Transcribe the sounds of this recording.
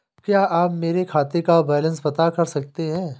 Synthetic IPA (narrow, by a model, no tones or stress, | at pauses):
kjaːʔaːpmeːɾekʰaːt̪ekabɛːlə̃nsbɐt̪akɐɾsɐk̚t̪eɦɛ̃ː